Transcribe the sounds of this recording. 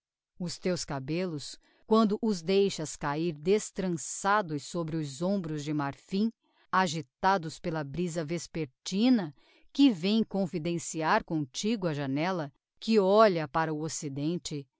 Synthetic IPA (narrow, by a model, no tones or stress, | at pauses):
ʊst̪ewskabelʊs | kwɐ̃nd̪ʊʔʊzd̪ejʃɐskaiɾd̪est̪ɾɐ̃sad̪ʊsobɾɪʊzõbɾʊzd͡ʒɪmaɾfĩ | aʒit̪ad̪ʊspelɐbɾizɐvespeɾt͡ʃĩnɐ | kɪvẽj̃kõfid̪ẽsiaɾkõt͡ʃiɡʊɐʒanɛlɐ | kɪɔʎɐpaɾɐʊosid̪ẽnt͡ʃɪ